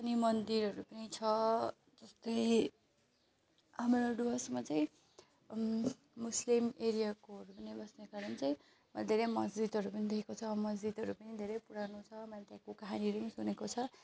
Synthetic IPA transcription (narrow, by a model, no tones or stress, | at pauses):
ʌnimʌnd̪iɾʌɾupʌnit͡sʰʌ | d͡zʌst̪ʌj | ʌmɾaɖuɦʌsmat͡saĩ | muslimeɾijakoɦʌɾupʌnibʌsnekaɾʌnt͡saj̃ | mʌlad̪ʱeɾejmʌsd͡zid̪ʌɾupʌnid̪ekʰekot͡sʰʌːbʌmʌzd͡zid̪ʌɾupʌnid̪ʱeɾʌjpuɾanut͡sʰʌʌmlat̪jãkokaɦaniʌɾupʌnisunekot͡sʰʌ